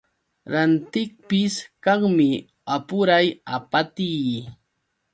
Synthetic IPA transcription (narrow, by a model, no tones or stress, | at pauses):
ɾant̪ɪk̚pɪskɑχmɪ | apʊɾajapat̪ij